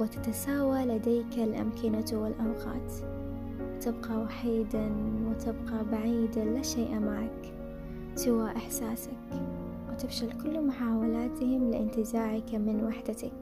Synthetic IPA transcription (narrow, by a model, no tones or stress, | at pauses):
wɪt̪ḁt̪asaːwalad̪eːkalʔa̰mkɪnat̪wɪlʔawqɑ̰ːt̪ | wt̪ɪbqɑwaħiːd̪awɪt̪ɪbqabaʕiːd̪alaʃeːʔmaʕak | sɪwaʔɪħsaːsak | wɪt̪ɪfʃalkʊlːmʊħaːwalaːt̪ɪhɪmlɪ̰ʔɪnt̪ɪzaːʕɪkamɪnwaħd̪at̪ak